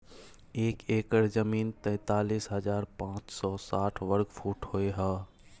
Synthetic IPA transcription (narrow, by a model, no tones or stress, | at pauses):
eːkeːkəɾzəmiːnt̪ɛ̃ːt̪aːliːsɦəd͡ʒaːɾpãːt͡ʃsɔsaːʈʰʋəɾɡfʰuːʈhoeɦɛː